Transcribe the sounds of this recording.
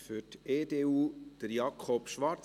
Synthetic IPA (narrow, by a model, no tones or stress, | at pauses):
fʏteːdeːuːd̥əɾjɑkʰχɔpʃʋɑɾt͡s